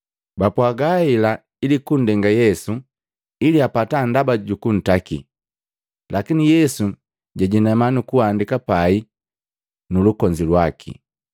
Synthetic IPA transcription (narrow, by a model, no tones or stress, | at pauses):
bapwaɡaila | ilikun̩dɛŋɡajɛsu | iliapatandabaɟukun̩takḭ | lʔakinijɛsu | ɟaɟinɛmanukuandikapai | nulukɔɲd͡ʒilwakʰḭ